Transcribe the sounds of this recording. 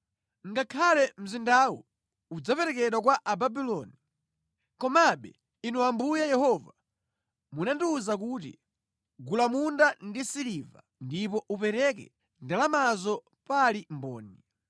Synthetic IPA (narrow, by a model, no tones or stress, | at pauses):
ŋɡakʰalɛm̩zindawɔ | ud͡zapɛɾɛkɛɗwak̬waʔababilɔːni | kɔmaɓɛ̰ | inɔambujajɛhɔva | munandiːzak̬uːtḭ | ɡulamundandisiliva̰ | ndipɔʔupɛɾɛkɛ̰ | ndalamazɔ | palimbɔ̰ːnɛ